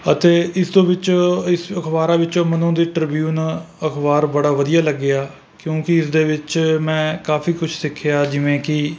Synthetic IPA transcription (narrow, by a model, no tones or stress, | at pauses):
ət̪eːɪst̪õːʋɪt͡ʃːɪsəkʰbaːɾaːʋɪt͡ʃõːmənõːd̪iːʈəɾbjuːn | əkʰbaːɾbəɽaːʋəd̪ijaːləɡːɪjaː | kjõːkɪɪsd̪eːʋɪt͡ʃmɛ̃ːkaːpʰiːkʊt͡ʃʰsɪkʰːɪjaːd͡ʒɪʋẽːkɪ